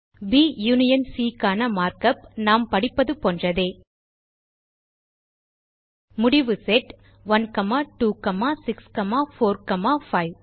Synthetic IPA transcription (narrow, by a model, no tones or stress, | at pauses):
biːjuːnɪjɐnsiːkaːnɐmaːɾkɐpnaːmpɐɽɪpːɐðɯpoːndrɐðeː | mʊɽɪʋɯsɛʈ | ʋɐnkɐmaːʈuːkɐmaːsɪkskɐmaːfoːɾkɐmaːfɐɪʋ